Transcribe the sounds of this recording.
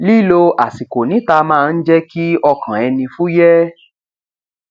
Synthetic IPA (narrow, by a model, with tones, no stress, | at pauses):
li˦lo˧a˨si˨ko˨nĩ˨˦ta˧mãː˦˧n̩˦d͡ʒɛ˦ki˦ɔ˧kʰã˨ɛ˧nĩ˧fu˦jɛ˦